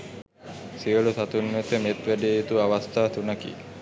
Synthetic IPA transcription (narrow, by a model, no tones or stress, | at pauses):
siəlusat̪unːot̪əmet̪ʋæɖijeet̪uaʋast̪ʰaːt̪unakḭ